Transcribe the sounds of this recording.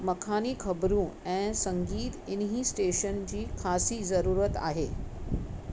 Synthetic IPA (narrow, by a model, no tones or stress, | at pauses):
məkʰaniːkʰəbɾũːɛ̃səŋɡiːt̪inɦiːsʈeʃənt͡ɕiːkʰasiːd͡zəɾuːɾət̪a̰ɦe